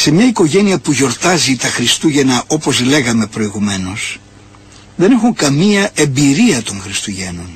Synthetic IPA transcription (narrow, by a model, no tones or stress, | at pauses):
se̞mɲɐiko̞ʝe̞niɐpuʝo̞ɾt̪ɐzit̪ɐxɾist̪uʝe̞nɐʔo̞po̞zle̞ɣɐme̞pɾo̞iɣume̞no̞s | ðe̞ne̞xuŋkɐmiɐe̞mbiɾiɐt̪o̞ŋxɾist̪uʝe̞no̞n